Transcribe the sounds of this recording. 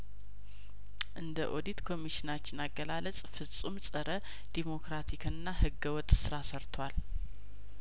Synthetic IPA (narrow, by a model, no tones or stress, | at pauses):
ʔɨnd̪əʔo̞d̪it̪kʰo̞miʃɪnat͡ʃːɪnaɡːəlalət͡sʼfɨsʼumsʼəɾə | d̪̥imo̞kɾat̪ʰikʰɨnːahɨɡəwɔt̪ʼsɨɾasəɾt̪ʰwal